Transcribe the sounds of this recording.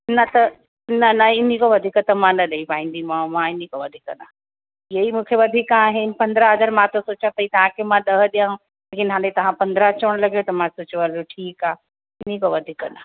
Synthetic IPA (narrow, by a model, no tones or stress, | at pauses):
nɐt̪ɐ | nɐnɐɪnĩkoʋɐd̪ʱikət̪mãnɐɗɐipaːĩːn̆d̪imãmãɪnikoʋɐd̪ʱikna | iɐimũːkʰeʋɐd̪ʱɪkaːɦɪnɪ̆pɐ̃nd̪ɾəɦɐzaɾmãt̪osoːt͡ɕat̪ɐiːt̪ɐʋ̤ãkʰemãɗɐɦə̆ɗijãːɦũ | leːkɪnɦãːdet̪ɐʋ̤ãpɐ̃nd̪ɾət͡ɕəɽ̃lɐɡijot̪ɐmãsoːt͡ɕʋɐloʈʰiːkaː | ɪnĩkoʋɐd̪ʱiknɐ